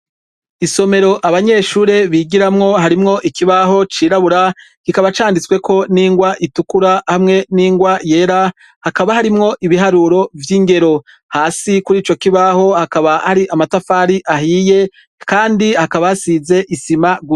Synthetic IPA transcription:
iso̞me̞ɾo̞ʔaβaɲe̞ːʃuːɾe̞βiɡiɾamŋo̞ɦaɾimŋo̞ʔikiβaɦo̞t͡ʃiːɾaβuɾakikaβat͡ʃaːndit͡swe̞kʰo̞niːŋɡwaʔitukuɾahamŋe̞niːŋɡwaje̞ɾa | hakaβahaɾimŋo̞ʔiβiɦaɾuɾo̞vjiːŋɡe̞ɾo̞ | haːsikuɾiːt͡ʃo̞kiβaho̞hakaβahaɾiʔamatafaɾiʔaɦije̞ | kaːndihakaβaasize̞ʔisimaɡu

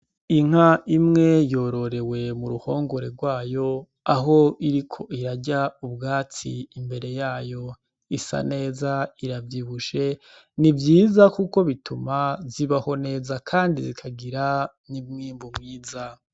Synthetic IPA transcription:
iŋ̥haʔimŋe̞jo̞ɾo̞ɾe̞we̞muɾuho̞ːŋɡo̞ɾe̞ɾɡwaːjo̞ | aɦo̞iɾikʰo̞iɾaɟaubɡaːt͡siːmbe̞ɾe̞jaːjo̞ | isa̰ne̞ːzaiɾavjiβuʃe̞ | nivjiːzakuko̞βitʰumaziβaho̞ne̞ːzakʰaːndizikʰaɡiɾa | nimŋiːmbumŋiːza

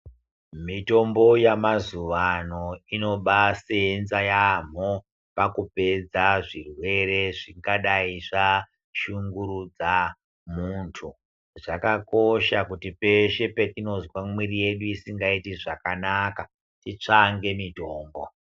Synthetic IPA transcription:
mito̞mbo̞jamazuʋano̞ino̞ɓaseenzajam̤o | pakupe̞d͡zaʐirwe̞re̞ʐiŋɡaɗaiʐa | ʃuŋɡuɾud͡za | muntʰu | ʐakako̞ʃakutipe̞ʃe̞petino̞zwamwirije̞ɗuisiŋɡaitiʐakanaka | tit͡ʂaŋɡe̞mito̞ːmbo̞

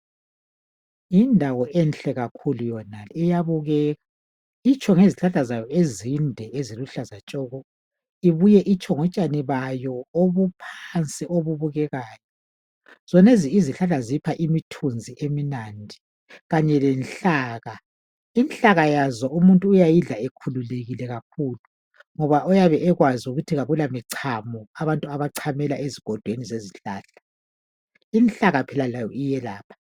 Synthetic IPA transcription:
indʱawɔʔɛnɬɛɣakʰulujɔnalijaβuɣɛːɣa | it͡ʃʰʼɔŋeziɬaɬazajɔʔezindʱɛʔeziluɬazat͡ʃʼɔɣɔ | iβujɛʔit͡ʃʼʰɔŋɔt͡ʃʼaniβajɔoβupʰant͡sʼiʔoβuβuɣɛɣaːjɔ | z̥ɔneziːziɬaɬazipʰaʔimitʰund͡zʱiʔeminaːndʱi | ɣaɲɛlɛnɬaːɣa | inɬaɣajazɔumuntʼuːjajiɮaekʰululeɣilɛɣak̚ʰulu | ŋɔβaʔɔjaβɛʔɛɣwazuɣutʰiɣaβulamiǀʰamɔaβantʼuaβaǀʰamɛlaʔeziɡ̥ʱɔd̥ʱwenizeziɬaːɬḁ | inɬaɣapʰɛlalajɔijɛlaːpʰḁ

